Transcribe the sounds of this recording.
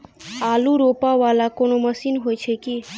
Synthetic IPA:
aːluɾopaʋalakonoməsiːnɦojt͡ʃʰeki

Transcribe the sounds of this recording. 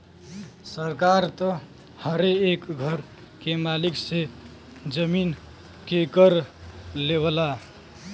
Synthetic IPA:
səɾkaɾt̪ə | həɾeːkɡʱəɾ | kemalikse | d͡ʒəmin | kekəɾleβəla

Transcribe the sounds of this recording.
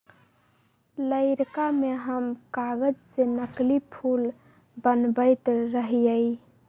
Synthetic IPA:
ləɪɾkameɦəmkaɣəd͡ʒsenəklipʰul | bənbəɪt̪ɾəɦijəj

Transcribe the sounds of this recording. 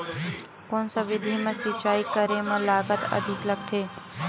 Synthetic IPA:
konsəʋid̪ʱimãsit͡ʃaikəɾemãlaɡət̪ə̰d̪ʱikləɡ̚t̪ʰe

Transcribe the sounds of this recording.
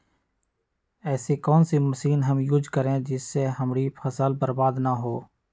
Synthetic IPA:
ɛːsekɔːnsiməsiːnɦəmjʊd͡ʒkəɾẽd͡ʒɪsːeɦəmɾipʰəsəlbəɾbaːd̪naɦoː

